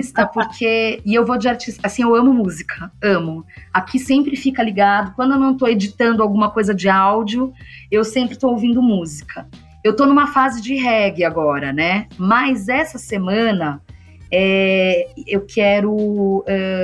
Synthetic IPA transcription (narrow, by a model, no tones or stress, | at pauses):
st̪ɐpoɾkʰeɪewvod͡ʒɪaɾt͡ʃisasĩewɐ̃mʊmuzikʰɐɐ̃mʊakʰisẽmpɾɪfikɐliɡad̪ʊkwɐ̃d̪ʊewnɐ̃w̃t̪oed͡ʒit̪ɐ̃nd̪ʊawɡũmɐkojzɐd͡ʒɪawd͡ʒiʊewsẽmpɾɪst̪oowvĩnd̪ʊmuzikʰɐ | ewt̪onũmɐfazɪd͡ʒɪɦɛɡɪaɡɔɾɐnɛmɐjzɛsɐsemɐ̃nɐ | ɛ | ewkʰɛɾʊɛ